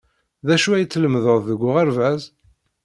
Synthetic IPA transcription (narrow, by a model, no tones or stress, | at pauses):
ðæʃuæjət͡sːləmðəðˤðəɡʷːʊʁæɾvæz